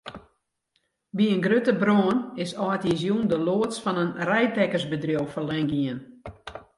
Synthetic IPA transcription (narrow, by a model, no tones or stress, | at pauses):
biənɡrøtəbroənɪsɔːtjizjundəloːətsfɔnənrɛjtɛkərsbədrjowfɔrlɛŋɡiən